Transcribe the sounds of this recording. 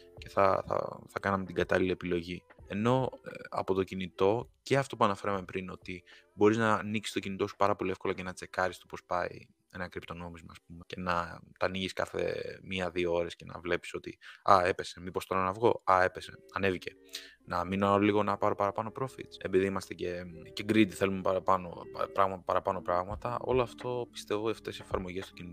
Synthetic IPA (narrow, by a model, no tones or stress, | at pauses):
ce̞θɐ̰θɐ̰θɐkɐnɐmet̪iɡɐt̪ɐliliepilo̞ʝie̞no̞ɐ̰po̞t̪o̞cinit̪o̞ce̞ɐft̪o̞puɐnɐfe̞ɾɐmepɾino̞t̪ibo̞ɾiznɐniksi̥st̪ocinit̪o̞su̥pɐɾɐpo̞lie̞fkolɐce̞nɐt͡se̞kɐɾist̪o̞po̞spɐḭ | e̞nɐŋkɾipt̪o̞no̞mizmɐːsp̚umece̞nɐt̪ɐniʝiskɐ̰θḛmiɐðioo̞ɾe̞sce̞nɐ̰vle̞pi̥so̞t̪ḭɐ̰e̞pe̞semipo̞st̪o̞ɾɐnɐvɣo̞ɐe̞pe̞se̞ɐne̞vice̞ | nɐminoɐoliɣo̞nɐpɐɾo̞pɐɾɐpɐno̞pɾo̞fḭt̪sepiðiimɐst̪ece̞ceɡɾit̪iθe̞lumepɐpɐno̰pɾɐɣmɐpɐɾɐpɐno̞pɾɐɣmɐt̪ɐo̞̰loɐft̪o̞pi̥st̪e̞vot̪iɐft̪e̞siefɐɾmo̞ʝe̞st̪ocinit̪o